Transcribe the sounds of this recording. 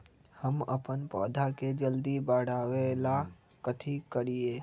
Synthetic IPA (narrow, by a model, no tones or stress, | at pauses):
həmə̰pənpɔ̰ːd̪ʱaked͡ʒəld̪ibaːɽaːʋela | kət̪ʰikəɽieː